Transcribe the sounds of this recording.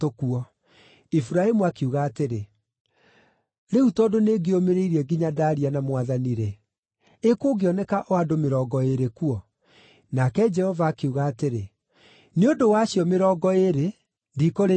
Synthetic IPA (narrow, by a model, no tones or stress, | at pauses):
tokuɔ | ifuɾaemuakeuɣaːteɾe | ɾeutɔːdoneɡeomeɾeiɾiɛɡiɲadaɾianamwaðaniɾɛ | ekoːɡeɔnɛkaʔɔadomeɾɔːɡɔeɾekuɔ | nakɛd͡ʒɛhɔvaːkeuɣaːteɾe | neondowaɕjɔmeɾɔːɡɔeɾe | ndikoɾe